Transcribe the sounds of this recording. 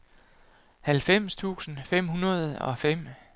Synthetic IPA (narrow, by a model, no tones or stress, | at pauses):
hælfem̰st͡sʰṵːsn̩fem̰hunɐð̞ˠɒ̽fem̰